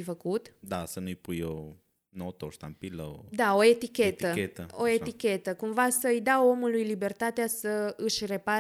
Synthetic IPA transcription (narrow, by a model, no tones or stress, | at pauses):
ifəkut̪d̪asənujpujo | not̪oʃt̪a̰mpilə̰wd̪ao̞et̪ikʲe̞t̪əeəoet̪ikʲe̞t̪əkumvasəɨjd̪awo̞mulujlibe̞rt̪at̪easəɨʃre̞pa